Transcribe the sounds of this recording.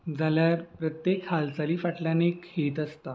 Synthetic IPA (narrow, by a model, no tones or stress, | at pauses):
d͡zaljaɾpɾət̪jekhalt͡saliːfaʈljaneekhet̪əst̪a